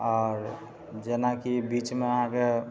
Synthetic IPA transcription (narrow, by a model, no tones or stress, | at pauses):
ɔːɾ | d͡ʒenakibiːt͡ʃmẽəɦãke